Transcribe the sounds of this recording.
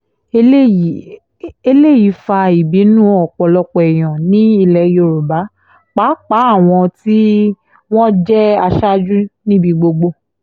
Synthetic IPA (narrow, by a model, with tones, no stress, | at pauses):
e˦˨ | e˧le˦˨ji˨˦fa˧i˨bi˨˦nũ˦ɔ˨k͡pɔ˨lɔ˧k͡pɔ˨ɛ˨j̃ɔ̃˨nĩ˦i˦˧˨lɛ˨jo˨ɾu˨ba˨˦ | k͡pa˨˦k͡pa˨˦a˦˨w̃ɔ̃˧ti˦ | w̃ɔ̃˦d͡ʒɛ˦a˧ʃa˦d͡ʒu˦nĩ˦bi˧ɡ͡bo˧ɡ͡bo˧˦